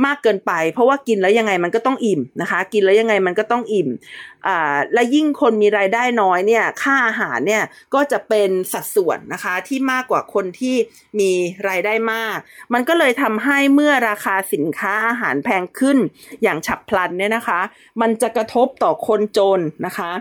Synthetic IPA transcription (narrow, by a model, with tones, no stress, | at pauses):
maː˥˩kːɤː˧npa˧jpʰɾɔ˦˥waː˥˩ki˧nlɛː˦˥wja˧ŋːa˧jma˧nkɔː˥˩t̪ɔ˥˩ŋʔi˨˩mna˦˥kʰa˦˥ki˧nlɛː˦˥ja˧ŋːa˧jma˧nkɔː˥˩t̪ɔ˥˩ŋʔi˨˩mʔaː˨˩lɛ˦˥wji˥˩ŋkʰo˧nmiː˧ɾaː˧jdaː˥˩jnɔː˦˥jni˥˩ɐkʰaː˥˩ʔaː˧ɦaː˩˦nːi˥˩ɐkɔː˥˩t͡ɕa˨˩pe˧nsa˨˩t̪̚su˨˩ənːa˦˥kʰa˦˥t̪ʰiː˥˩maː˥˩kːwaː˨˩kʰo˧nt̪ʰiː˥˩ | miː˧ɾaː˧jdaː˥˩jmaː˥˩k̚ma˧nkɔː˥˩lɤː˧jt̪ʰa˧mɦa˥˩jmɯ˥˩ɐɾaː˧kʰaː˧si˨˩˦nkʰaː˦˥ʔaː˧ɦaː˩˦npʰɛː˧ŋkʰɯ˥˩n | jaː˨˩ŋt͡ɕʰa˨˩pʰːla˧nːi˥˩ɐna˦˥kʰa˦˥ | ma˧nt͡ɕa˨˩kɾa˧t̪ʰo˦˥p̚t̪ɔː˨˩kʰo˧nt͡ɕoː˧nːa˦˥kʰa˦˥ʔ